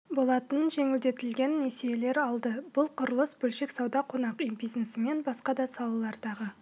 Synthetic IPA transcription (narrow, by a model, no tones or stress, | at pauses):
bo̞lˠɑt̪ənʒe̞ŋɪld̪e̞t̪ɪlɡʲe̞nːe̞sejele̞ɾɑlˠd̪əb̥ʊlˠqʰʊɾəlˠəsbɵlʃe̞ksɑwd̪ɑqʰo̞nɑqyjbijznesɪme̞nbɑsqɑd̪ɑsɑlˠɑlˠɑɾd̪ɑʁə